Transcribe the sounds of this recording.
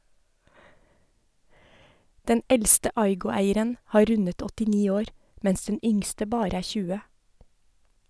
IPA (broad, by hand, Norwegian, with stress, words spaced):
ˈdɛn ˈɛlstə ˈɑɪɡʊˌæɪəɾən ˈhɑː ˈɾʉnət ɔtɪˈniː ˈoːɾ ˈmɛns ˈdɛn ˈʏŋstə ˈbɑːɾə ˈæː ˈçʉːə